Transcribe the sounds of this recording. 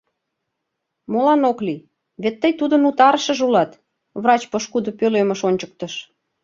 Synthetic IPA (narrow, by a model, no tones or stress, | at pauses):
molɑnokli | βet̪ːəjt̪ud̪ənut̪ɑɾəʃə̆ʒulɑt̪ | βrɑt͡ɕpəʃkud̪opøleməʃonʲt͡ɕək̚t̪əʃ